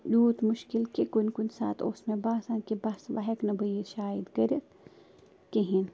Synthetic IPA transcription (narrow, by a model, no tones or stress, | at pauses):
juːt̪mʊʃkilkekunʲkunʲsa̰ːt̪oːsmebaːsaːnkibɐsʋaɦeknɐbɐjiʃaːid̪ɡɐɾʲit̪ | keɦin